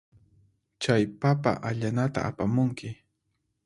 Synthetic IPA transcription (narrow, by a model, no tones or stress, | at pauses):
t͡ʃajpapa̰ʔaʎanat̪a̰apamʊŋkɪ